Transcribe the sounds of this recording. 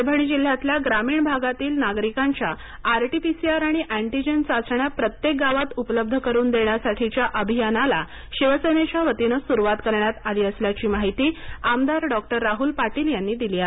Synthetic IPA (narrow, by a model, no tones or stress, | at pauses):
bʱəɳ̃iːd͡ʑil̤ːjat̪ljaɡɾamiːɳbʱaɡat̪iːlnaɡɾikãɲt͡ɕjaː | ɾʈipisiaɾaɽ̃iʔæɳʈid͡ʑənt͡sat͡səɳjapɾət̪jek̚ɡaʋat̪upələb̚d̪ʱəkəɾuːnd̪eɳjasaʈʰit͡ɕjaʔəbʱijanala̰ | ɕiʋəsəjnet͡ɕjaʋət̪inəsuɾuʋat̪kəɾɳjat̪aliːəsljat͡ɕiːmaɦit̪iːamd̪aɾɖɔk̚ʈəɾːaɦuːlpaʈiːljanːiːd̪ilia